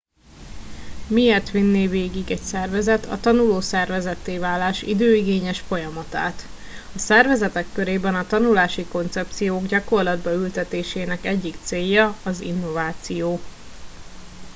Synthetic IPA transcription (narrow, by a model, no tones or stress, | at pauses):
mieːrt̪ʋinːeːveːɡiɡɛcsɛrvɛzɛt̪ʰɒ̰t̪ɒnuloːsɛrvɛzɛt̪ːeːvaːlːaːʃḭd̪øːiɡeːɲɛʃfo̞jɒmɒt̪aːt̪ | ɒsɛrvɛzɛt̪ɛkːøɾeːbɛnɒt̪ɒnulaːʃiko̞nt̪sɛp̚t̪sijoːɡɟɒko̞rlɒd̪bɒylt̪ɛt̪eːʃeːnɛkɛɟːikt̪seːjːɒɒzḭnːo̞vaːt̪sijoː